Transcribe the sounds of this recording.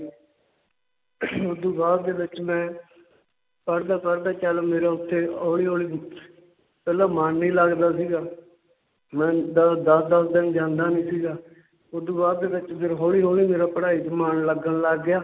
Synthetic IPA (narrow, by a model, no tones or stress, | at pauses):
ʊd̪uːbaːɾd̪eːʋɪt͡ʃmɛ̃ː | pəɽd̪aːpəɾd̪aːt͡ʃəlmeːɾaːʊt̪ʰːeːoːɭiːɦoːɭiː | pɛːlaːmaːnːĩːləɡd̪aːsiːɡaː | mɛ̃ːd̪d̪əsd̪əsd̪ɪnd͡ʒãːnd̪aːnĩːsiːɡaː | ʊd̪ũːbaːdd̪eːbɪt͡ʃpɪɾɦoːliːɦoːɭiːmeːɾaːpəɽaːiːd͡ʒəmaːnləɡənləɡːɪjaː